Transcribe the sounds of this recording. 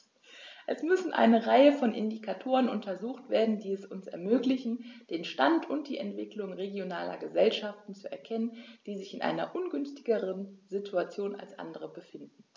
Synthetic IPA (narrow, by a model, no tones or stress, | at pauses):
ʔɛsmʏsn̩ʔa̰ɪnəʁaɪəfɔnʔɪ̰ndikʰatʰoːʁənʔʊntʰɐzuːxtv̥eːɐdn̩diːɛsʊnsɛɐmøːklɪçn̩d̥eːnʃtantʰʊnt̚d̥ḭːɛntv̥ɪklʊŋʁeɡjonaːlɐ̰ɡəzɛlʃaftn̩t͡suʔɛɐkʰɛnənd̥iːzɪçɪnʔa̰ɪnɐ̰ʔʊnɡʏnstɪɡəʁənzɪtʰuat͡sjoːna̰lsʔa̰ndəʁəbəfɪndn̩